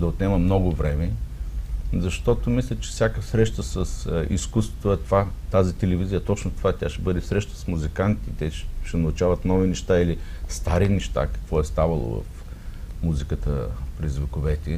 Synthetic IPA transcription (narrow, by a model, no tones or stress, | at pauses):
d̪ɐot̪nɛməmnɔɡʊvɾɛmɛ | zɐʃt̪ɔt̪omislʲət͡ʃɛ̥fsʲjakəsɾɛʃt̪əsəsḭskust̪vo̥t̪oɛt̪ovat̪azit̪ɛlɛvizijət̪ɔt͡ʃnot̪ovat̪ʲaʃɛbɤd̪ɛfsɾɛʃt̪ə̥smuzikant̪it̪ɛʃɛnɐʊt͡ʃavɐt̪nɔvinɛʃt̪ailist̪aɾinɛʃt̪a̰kɐ̥kvɔɛst̪avɐlˠo̰vɐ̰f | muzikət̪əpɾɛzvɛkʊvɛt̪ʲɛ